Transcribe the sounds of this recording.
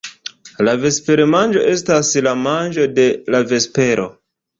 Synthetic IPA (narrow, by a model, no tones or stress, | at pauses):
lave̞spe̞ɾemand͡ʒo̞ʔe̞staslamand͡ʒo̞de̞lave̞spe̞ɾʔo̞̰